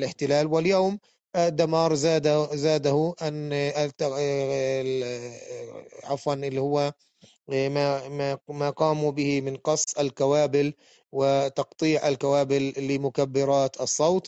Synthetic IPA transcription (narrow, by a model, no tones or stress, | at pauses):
lɪħt̪ɪlaːlwɪljoːm | ʔd̪ːamɑːɾˤzaːd̪zaːd̪ahʊʔant̪ | ʕɑfwɑnʔɪlːihʊwːa | maamaːqɑːmubɪhɪmɪnqɑsˤːalkawaːbɪl | wɪt̪ɑqt̪ˤiːʕʔalkawaːbɪlːɪmʊkabːɪɾˤɑːt̪ɑsˤːɑwt̪ˤ